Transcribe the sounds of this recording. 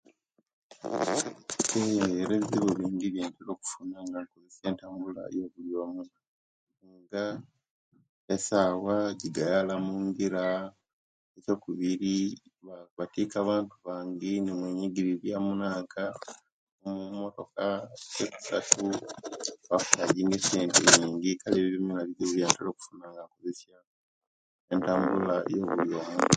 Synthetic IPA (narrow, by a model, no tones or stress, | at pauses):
eeɾeziβeβiːndiβjeːnteɾo̞ːku̥funaŋɡaŋkozese̞ːntaːmbula̰jo̞βuljo̞ːmu | ŋɡa | esaːwaɟiɡajalamuːŋɡiɾa | eco̞ːkuβiɾi | βatiːkaβaːntuβaːŋɡenimweːɲiɡiɾiɾjamunaːŋkʰa | umumoto̞kaɡeku̥satu | βafu̥laɟiːŋɡeseːnteɲiːŋɡikaleβiβimilaβiziβiβjaːntelo̞ːku̥funaŋɡakozesja | entaːmbula̰jo̞ːβujoma